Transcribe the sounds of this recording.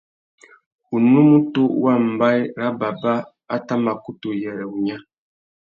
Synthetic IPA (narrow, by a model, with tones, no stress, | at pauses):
u˨nu˦mu˦tu˦wa˦˨m̩˨ba˦jɾa˦ba˨ba˦ | a˦ta˦ma˨ku˦to˨jɛ˨ɾɛ˨u˨ɲa˦